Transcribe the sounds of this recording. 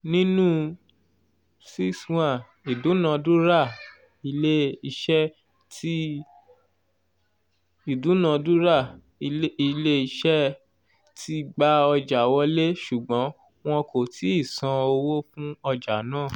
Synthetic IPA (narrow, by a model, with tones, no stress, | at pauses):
nĩ˦nũ˦ | si˦swã˦˨ | i˨du˨˦nã˧du˦ɾa˦˨ | i˧le˦i˧ʃɛ˦ | ti˦ | i˦˨du˨˦nã˨˧du˦ɾa˦˨˧ | i˧le˦i˧ʃɛ˦ | tʰi˦ɡ͡ba˦ɔ˧d͡ʒa˨wɔ˧˦le˦ʃu˨ɡ͡bɔ̃˨˦ | w̃ɔ̃˧ko˨tʰi˨˦i˦˨sã˧o˧wo˦fũ˦ɔ˧d͡ʒa˨nãː˦˨